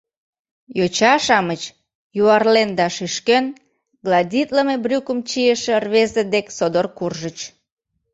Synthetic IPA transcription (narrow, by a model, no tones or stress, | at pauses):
jot͡ɕɑʃɑmət͡ɕ | juɑrlend̪ɑʃiʃken | ɡlɑdʲit̪ləmebrʲukəmt͡ɕijəʃerβezed̪eksod̪orkurʒət͡ɕ